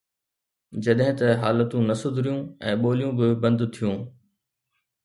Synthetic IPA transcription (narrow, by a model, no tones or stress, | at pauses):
d͡ʑɐɗɦɪ̃t̪ɐɦaːlət̪ũnɐsʊd̪ʱɾijũːɛ̃ːɓoːlijũbɪbɐ̃nd̪t̪ʰijũː